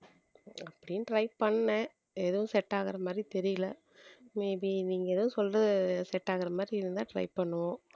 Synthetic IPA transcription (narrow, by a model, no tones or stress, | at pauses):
ɐpːɐɽɪnːʈɾɐɪpɐɳːɐ | ɛðɐʋʊ̃sɛʈːaːɣɐɾɐmaːd̪ɾit̪ɛɾɪjɐlɐ | mebiniːŋɡɐɛðɐʋʊ̃sɔlrɐðɯsɛʈːaːɣɐɾɐmaːd̪ɾiɪɾɯnd̪ãːʈɾɐ̰ɪpɐɳːɯʋõː